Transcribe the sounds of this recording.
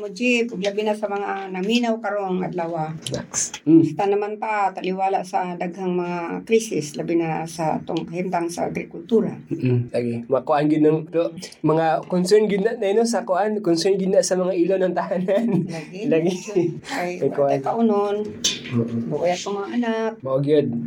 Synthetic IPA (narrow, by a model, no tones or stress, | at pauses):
mʊd͡ʒɪkʊɡlabɪnasɐmɐŋanaminawkɐɾoŋa̰d̪lawanaksst̪anɐmanp̪aʔat̪alɪwaːlaʔsɐd̪aɡhaŋmɐŋakɾisɪslabɪnasaa̰t̪oŋɐhɪnt̪aŋsa̰a̰ɡɾɪkʊlt̪uːɾam̩ːlaɡɪmɐkʊʔanɡɪd̪oŋpɛɾomɐŋakonsɛɹnɡɪd̪nːaʔnaanosɐkʊʔankonsɛɹnɡɪd̪naʔsɐmɐŋaʔilonɐŋt̪ahananlaɪlaɡɪajakʊʔaajkaʔʊnonoʔobʊʔʊjat̪̚komɐŋaʔanap̚maɡjod̪̚